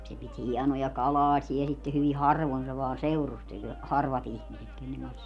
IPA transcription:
se pit hiɛnojɑ kɑlɑːsiɛ sitːe hyʋi hɑrʋon se ʋɑː seurustelʲ hɑrʋɑt ihmiset kenːeŋ kɑns

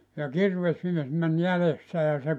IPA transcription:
jɑ kirʋesmies mæn jælesːæ jɑ se

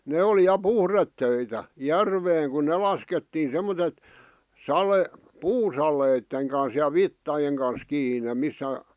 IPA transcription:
ne oli jɑ puhretːøitæ jærʋeːŋ ku ne lɑsketːiːn̞ semːotet sɑle puːsɑleˑĭtːeŋ kɑns jɑ ʋitːɑjeŋ kɑns kiːne misːæ

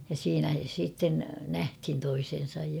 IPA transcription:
jɑ siːnæ siːtːen næhthin toisen̞sɑj jɑ

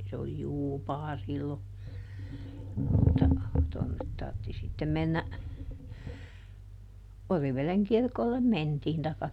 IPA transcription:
se oli juːpɑː silːo mutːɑ tonːet tɑrtːi sitːem menːæ oriʋeleŋ kirkolːem mentiːn tɑikːɑ

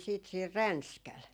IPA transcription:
siːt siːr rænskæl

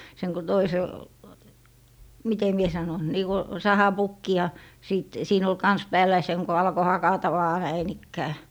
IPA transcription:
seŋ ko toisel mite mie sɑnon niː ko sɑhɑpukːi jɑ siˑt siːn ol kɑns pæːlˑæ jɑ seŋ ko ɑlko hɑkɑtɑ ʋɑː næin ikːæː

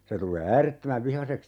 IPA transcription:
se tulˑeː æːretːømæʋ ʋihɑseks

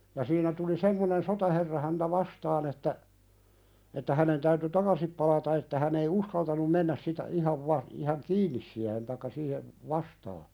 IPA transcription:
jɑ siːnæ tuli semːonen sotɑherːɑ hæntæ ʋɑstɑːn etːæ etːæ hænen tæyty tɑkɑsip pɑlɑtɑ etːæ hæn ei uskɑltɑnum menːæs sitæ ihɑʋ ʋɑ ihɑŋ kiːnːis siæhen tɑikːɑ siːheʋ ʋɑstɑː

